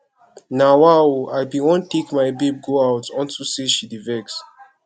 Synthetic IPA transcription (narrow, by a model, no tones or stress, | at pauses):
nawaoajbiwɔ̃ntekmajbib̚ɡoawtɔ̃ntuseʃidivɛks